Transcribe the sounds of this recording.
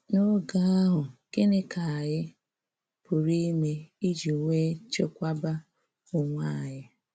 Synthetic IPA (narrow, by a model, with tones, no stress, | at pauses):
no˦ɡa˦a˦ɦʊ˨ke˦ne˦kʰa˨a˨jɪ˦ | pʊ˨ɾi˦me˦i˦d͡ʒi˨ŋʷe˦t͡ʃe˦kʷa˦ba˦ | ʊ˨ŋʷa˦˨ɲɪ˦